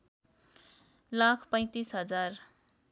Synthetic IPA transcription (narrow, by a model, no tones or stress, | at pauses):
lakʰpʌj̃t̪isɦʌd͡zar